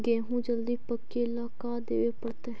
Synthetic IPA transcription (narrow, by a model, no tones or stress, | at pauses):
ɡɛ̃ːɦũːd͡ʒəld̪iːpəkːieːɪlaːkaːd̪ḛːʋeːpəɽt̪eː